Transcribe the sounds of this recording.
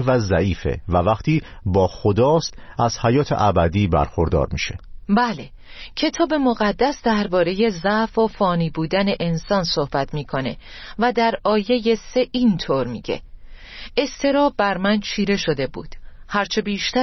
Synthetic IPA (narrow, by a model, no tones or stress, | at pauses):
væzæʔiːfe̞̰vævæqt̪ʰiː | bɒːxod̪ɒːst̪æz̥hæjɒːt̪ʰḛʔæbæd̪iːbæ̰ɾxoɾd̪ɒ̰ːɾmḭːʃe̞̰bæːle̞ | cʰe̞t̪ʰɒːbe̞moɣæd̪ːæsd̪æɾbɒːɾe̞je̞zæfofɒːniːbuːd̪æne̞ʔensɒːnso̞hb̥æt̪ʰmiːkʰo̞ne̞̰væd̪æɾɒːje̞je̞se̞ʔint̪ʰoɾmiːɟ̥e̞̰ | e̞st̪ʰe̞ɾɒːbæɾmænt͡ʃʰiːɾe̞ʃo̞d̪e̞bṵːd̪̥hæɾt͡ʃʰe̞biːʃt̪æ